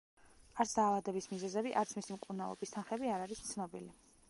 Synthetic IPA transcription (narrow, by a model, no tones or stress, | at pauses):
aɾt̪sʰd̪aːvad̪ɛbismizɛzɛbiʔa̰t̪sʰmisimqʼunavˠɔ̰bist̪ʰanχɛbiaɾaɾist̪sʰnɔbili